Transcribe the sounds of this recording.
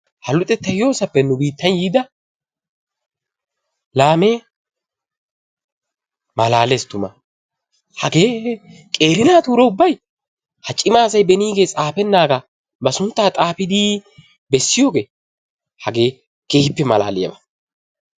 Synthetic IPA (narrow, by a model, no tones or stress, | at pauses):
hɐlʊt̪ʼɛt̪ːɐjo̞ːsɐpːɛnːʊbiːt̪ːɐnjiːd̪ɐ | laːmeː | mɐlaːlest̪ʊmɐ̰ | hɐɡe̞ːkʼe̞ːɾɪnaːt̪uːɾɛʊbːɐj | hɐt͡ʃʼːɪmaːsɐjbɛniːɡe̞ːt͡sʼaːpɛnːaːɡa | bɐsʊnt̪ːaːt̪ʼaːpɪd̪iː | bɛsːɪjo̞ːɡe̞ː | hɐɡe̞ː | keːhɪpːɛmɐla̰ːlɪjɐ̰bɐ